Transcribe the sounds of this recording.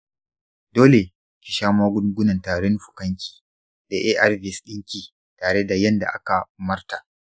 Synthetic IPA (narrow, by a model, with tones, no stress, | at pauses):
doː˦le˨ | kʲi˨ʃaː˦maː˦ɡʷʊ˦ŋɡʷʊ˦nɐ˨ntaː˨ɽɪ˦n˦ɸʊ̥˨kɐ˦ŋkʲi̥ː˨ | da˨ʔeː˦ʔa˦rvi˦˨sɗɪ˦ŋkʲiː˨ | taː˨ɽe˦da˨jɐ˦nda̰˨ʔa˦ka˨mɐ˦rta˨ʔ